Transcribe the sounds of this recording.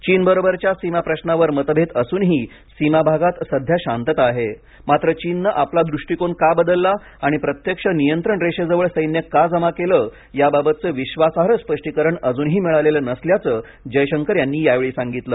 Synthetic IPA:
t͡ɕiːnbəɾobəɾt͡ɕjasimapɾəɕnaʋəɾmət̪bʱet̪əsuːnɦiː | simabʱaɡat̪səd̪ʱjaɕãnt̪ət̪aɦe | mat̪ɾət͡ɕiːnːəʔaplad̪ɾuʂʈikoɳkabəd̪əlːa | aɽ̃ipɾət̪jəkʂənijənt̪ɾəɳɾeɕəd͡zəʋəɭsəjnjəkad͡zəmakeləː | jababət̪̚t͡səːʋiɕʋasaɦɾəspəʂʈikəɾəɳəd͡zuːnɦiːmiɭaʋleləːnəsljat͡səː | d͡ʑəjɕəŋkəɾjanːiːjaʋeɭiːsaŋɡit̪ləː

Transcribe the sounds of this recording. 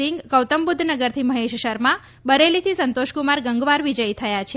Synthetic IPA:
ɪŋɡkəwt̪əmbud̪ʱːnəɡəɾt̪ʰiməɦeʃʃəɾmã | bəɾelit̪ʰisənt̪oʃkumaɾɡəŋɡʋaɾʋid͡ʒəjt̪ʰəjat͡ʃʰe

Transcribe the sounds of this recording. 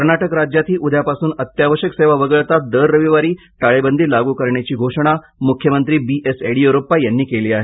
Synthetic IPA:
əɾɳaʈəkɾad͡ʑjat̪ʰiːʔud̪ʱjapasuːnət̪jaʋəɕəkseʋaʋəɡəɭt̪at̪̚d̪əɾːəʋiʋaɾiː | ʈaɭebənd̪ʱiːlaɡuːkəɾɳjat͡ɕiːɡʱoʂəɽ̃a | mukʰjəmənt̪ɾiːbiʔeseɽijuɾopajanːiːkeliːaɦe

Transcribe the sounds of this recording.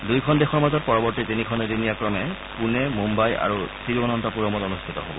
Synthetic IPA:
dujkʰɔndexɔɹmazɔt̚pɔɹɔbɔɹtitinikʰɔnedinijakɹɔmɛ | kunɛmumbaja̰ɹusiɹbɔnɔntɔpuɹɔmɔtɔnustʰitɔ̰ɦobɔ̰

